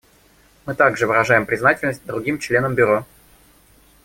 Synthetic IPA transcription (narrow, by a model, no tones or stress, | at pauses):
mɨt̪aɡʐɨvɨɾɐʐajɪmpɾʲɪznatʲɪlʲnəsʲt̚ʲd̪ɾʊɡʲimt͡ɕlʲe̞nəmbʲʊɾo